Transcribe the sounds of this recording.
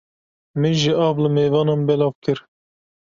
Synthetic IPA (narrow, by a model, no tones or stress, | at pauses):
mɨnʒɪʔɑːvlɨmeːvɑːnɑmbɛlɑːvkʰɨɾ